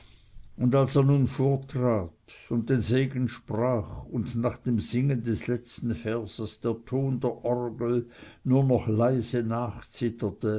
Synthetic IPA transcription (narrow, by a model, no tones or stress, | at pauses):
ʊndalseːɐnuːnfoːɐtʁ̥aːtʊnt̚d̥eːnzeːɡn̩ʃpʁaːχʊndnaːχd̥eːmz̥ɪŋəndɛslɛt͡stn̩fɛɐz̥əsd̥eːɐtʰoːndeːɐʔɔʁɡl̩nuːɐnɔχlaɪzənaːxt͡sɪtʰɐtə